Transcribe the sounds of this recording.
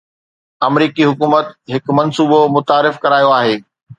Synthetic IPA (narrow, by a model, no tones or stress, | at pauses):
ɐmɾiːkiɦʊkuːmət̪ɦɪkmɐnsuːbomʊt̪aːɾɪfkɐɾaːjoaːɦeː